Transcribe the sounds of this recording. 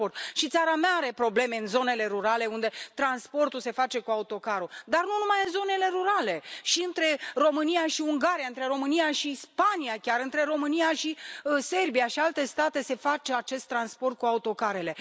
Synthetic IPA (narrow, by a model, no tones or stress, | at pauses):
ort̪ʃit̪saɾameaaɾe̞pɾo̞ble̞me̞ɨnzo̞nele̞ɾuɾale̞und̪e̞t̪ɾanspo̞rt̪ulse̞fat͡ʃe̞kuaut̪o̞kaɾud̪arnunumajɨnzo̞ne̞le̞ɾuɾale̞ʃiɨnt̪ɾe̞ro̞mɨnijaʃiuŋɡaɾijaɨnt̪ɾe̞ɾo̞mɨnijaʃispaniakʲaɾɨnt̪ɾe̞ɾo̞mɨnijaʃise̞rbijaʃialt̪e̞st̪at̪e̞se̞fat͡ʃe̞at͡ʃe̞st̪ːɾanspo̞rt̪̚kuaut̪o̞kaɾe̞le̞